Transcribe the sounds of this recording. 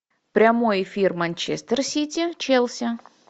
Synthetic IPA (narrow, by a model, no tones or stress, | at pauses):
pɾʲɐmojɪfʲirmɐnʲt͡ɕest̪ərsʲitʲɪt͡ɕelˠsʲə